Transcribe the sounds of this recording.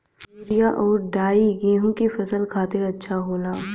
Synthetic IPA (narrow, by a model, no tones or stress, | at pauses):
oːɾijaʔɔːɾɖaːiɡẽːɦũkifɐsəlkʰaːt̪ɪɾɐtːʃʰaɦoːlaː